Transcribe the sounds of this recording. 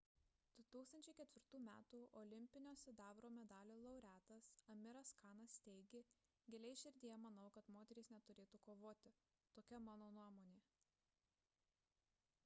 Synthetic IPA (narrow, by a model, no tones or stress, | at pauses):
d̪̥ʊt̪uːkst̪ɐnʲt͡ʃʲɛɪkʲɛt̪ʲʋʲɪɾt̪uːmʲæ̰ːt̪uːʔɔlʲɪmʲpʲɪnʲoːsʲɛd̪ɑːʋɾoːmʲɛd̪ɑːlʲoːlˠɐʊɾʲæːt̪ɐsɐmʲɪɾɐskɑːnɐst̪ʲɛɪɡʲeː | ɡʲɛlʲɛɪʃʲɪɾʲd̪ʲijɛmɐnɐʊkɐt̪moːt̪ʲɛɾʲesnʲɛt̪ʊɾʲeːt̪uːkoːʋoːt̪ʲɪ | t̪oːkʲɛmɑːnoːnuɔmoːnʲeː